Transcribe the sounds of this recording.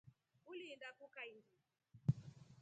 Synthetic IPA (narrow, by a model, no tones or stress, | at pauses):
ulindakukaindi